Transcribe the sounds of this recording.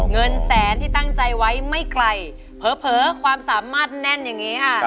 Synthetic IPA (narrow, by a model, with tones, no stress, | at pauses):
ŋɤ˧nsɛː˩˦nt̪ʰiː˥˩t̪a˥˩ŋt͡ɕa˧jwa˦˥jma˥˩jkla˧j | pʰɤː˨˦˥pʰɤː˩˦kʰwaː˧msaː˩˦maː˥˩t̪̚nɛ˥˩njaː˨˩ŋːiː˦˥kʰa˥˩ʔ